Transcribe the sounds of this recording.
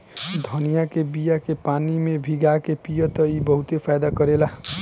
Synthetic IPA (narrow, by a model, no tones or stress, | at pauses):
d̪ʱʌnijakebijakepanimebʱiɡakepijət̪ʌibəɦut̪epʰajd̪akʌɾela